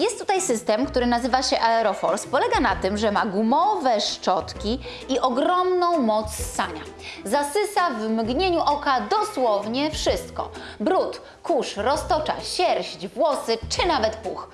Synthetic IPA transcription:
jɛst̪ːut̪ajsɘst̪ɛmkt̪uɾɘnazɘvaɕɛʔaɛɾɔfɔɾspɔlɛɡanat̪ɘmʐɛmaɡumɔvɛʂt͡ʂɔt̪kʲi | iʔɔɡɾɔmnɔ̃w̃mɔt̪sːaɲa | zasɘsavmɡɲeɲuʔɔkad̪ɔswɔvɲɛfʂɘst̪kɔ̰bɾut̪ | kuʂɾɔst̪ɔt͡ʂa̰ɕɛɾʑd͡ʑvwɔsɘt͡ʂɘnavɛt̪pṵx

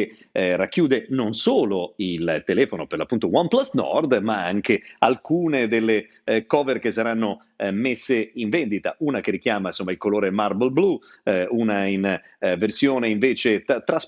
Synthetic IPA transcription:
rakːjuːd̪enonsoːloilt̪elɛːfonoperlapːunt̪owamplasnɔ̰rd̪maa̰ŋkea̰lkuːned̪elːe | kɔːverkesːaɾanːo | mesːeiɱvɛnd̪it̪a̰ʔuːnakerːik̟jaːmainsomːailkoloːɾemarbelbluunain | versjoːneiɱveːt͡ʃett̪ɾas

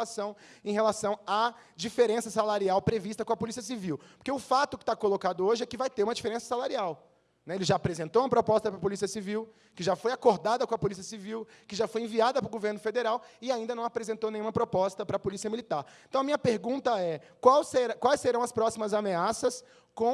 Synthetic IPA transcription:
asɐ̃w̃ẽhelasɐ̃w̃a | d͡ʒifeɾẽsɐsalaɾiawpɾevist̪ɐkõɐpolisiɐs̬iviwpoɾkeʊfat̪ʊkɪ̥t̪akolokad̪ʊoʒɪɛkɪvajt̪eɾũmɐd͡ʒifeɾẽsɐ̥salaɾiaw | nɛelɪʒaːpɾezẽnt̪owũmɐpɾopɔst̪ɐpɾɐpolisiɐsiviw | kɪʒafojakoɾd̪ad̪ɐkõɐpolisiɐsiviwkɪʒafojẽviad̪ɐpɾʊɡoveɾnʊfed̪eɾawɪaĩnd̪ɐnɐ̃w̃apɾezẽnt̪ownẽj̃ũmɐpɾopɔst̪ɐpɾɐpolisiɐmilit̪aɾẽt̪ɐ̃w̃ɐmĩɲɐpeɾɡũnt̪ɐɛ | kwawseɾkwajsːeɾɐ̃w̃ɐspɾɔsimɐzameasɐs | kõ

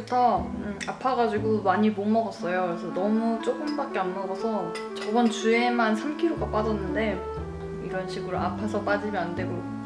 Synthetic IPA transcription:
utʰʌapʰaɡad͡ʑiɡomaɲibomʌɡʌs͈ʌjoɾesʰʌnʌmut͡ɕ͈ok͈ɯmbak͈eamːʌɡʌsʰʌ | t͡ɕʌbʌnt͡ɕue̞mansʰamkʰiɾoɡap͈ad͡ʑʌnːɯnde̞ | iɾʌnɕʰiɡuɾoʔapʰasʰʌp͈ad͡ʑimjʌnandwe̞ɡo

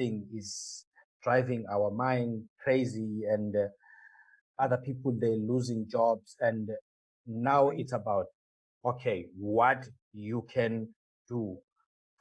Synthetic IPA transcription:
ĩŋiz | d̥ɹajvĩŋawəmãjnd̚kʰɹeziɛ̃nd | aðəpʰipɔldɛluzĩŋd͡ʒɔbzɛ̃n | nawitsabawt̚ | okʰewɔtʰ | jukʰɛ̃n | d̥u

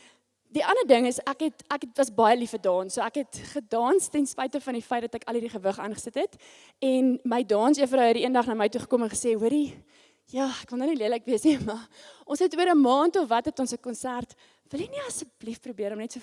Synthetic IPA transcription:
diʔɐnədəŋəsækɦɛtækɛtvɐsbɑjəlifədɑːnsuəækɦɛtχədɑːnstɛnspɛjtəfɐndifɛjt̚dɐtækɐlˠɦiːɾiχəvəχɑ̰ːnχə̥sətɦɛt | ɛnməjdɑːnsiəfəɾəwɛtdiiəndɐχnɑːməjtuχə̥kɔmənχə̥seːwuəɾi | jɑːækvɐndɑniliələkviəsnimɐʔɔ̃nsɛtuəɾəmɑːntovɐtɦɛtɔnsəkɔnsært | vəlˠjɛniɐsəblifprubiəɾɔmnɛtsuə

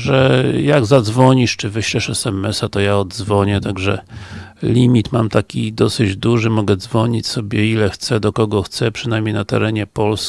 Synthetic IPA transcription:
ʐɛjaɡzad̪zvɔɲiʂt͡ʂɘvɘɕlɛʂɛsɛmɛsat̪ɔjaɔd̪zvɔɲɛt̪aɡʐɛ | lʲimʲit̪mamt̪akʲid̪ɔsɘd͡ʑd̪uʐɘmɔɡɛd̪zvɔɲit͡ɕsɔbʲjɛilɛxt̪sɛd̪ɔkɔɡɔxt̪sɛpʂɨnajmɲejnat̪ɛ̰ɾɛɲɛpɔls

